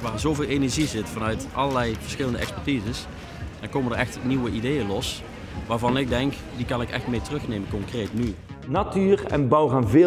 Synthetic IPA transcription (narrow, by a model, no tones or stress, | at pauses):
ʋaːzowveːlˠenɛɹʒizɪtfɑnœɥtʔɑlˠəlɛjv̥əɹsxɪləndəʔɛ̰kspɛɹtizəs | ɛnkoːməndəɹɛxtniwəʔidejəlɔs | ʋaːɹvɑnɪɡ̚dɛŋk | dikɑnɪkɛ̰xtmejtərɵxnejmənkɔŋkrejtny | natyːrɛ̰nbɑwɣaːnvɪ